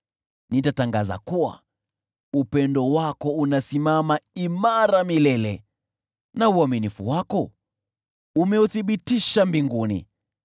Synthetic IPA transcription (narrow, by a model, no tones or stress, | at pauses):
nitataŋɡaza̰kuwa̰ | upɛndɔwakɔunasimamaimaɾamilɛlɛ | nauaminifṵwakɔ | umɛuθiɓitiʃambiŋɡunḭ